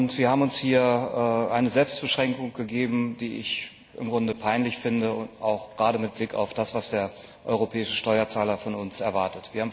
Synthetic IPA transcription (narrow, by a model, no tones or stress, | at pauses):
ʊntv̥iːɐhaːbm̩ʊnshiːɐʔːʔaɪnəzɛlpst̚b̥əʃʁ̥ɛŋkʊŋɡ̥əɡeːbm̩diːʔɪ̰ç | ʔɪ̰mɡʁʊndəpʰaɪnlɪçfɪndəʊtʔa̰ʊxɡ̥ʁaːdəmɪt̚b̥lɪka̰ʊfd̥asv̥asd̥eːɐ | ʔɔ̰ʏʁ̞opʰɛːɪʃəʃtɔʏɐt͡saːlɐfɔnʊnsɛɐvaɐtətv̥iːɐhaːm